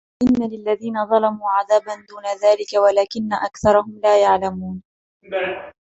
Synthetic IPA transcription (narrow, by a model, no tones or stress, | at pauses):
ʔɪnːalɪlːaðiːnaðˤɑlɑmuːʕaðaːband̪uːnaðaːlɪkawalaːkɪnːaʔakθɑɾˤɑɦʊmlaːjaʕlamuːn